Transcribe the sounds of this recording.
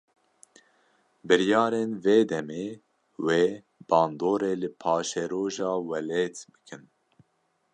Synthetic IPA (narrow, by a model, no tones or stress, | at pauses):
bɨɾjɑːɾeːnveːd̪ɛmeː | weː | b̥ɑːnd̪oːɾeːlɨpʰɑːʃɛɾoːʒɑːwɛleːt̪bɨ̥kʰɨn